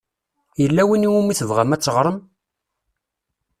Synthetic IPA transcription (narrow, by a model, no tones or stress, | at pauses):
jəlːæwiniwumiθəvʁæmæt͡sːəʁɾˤəm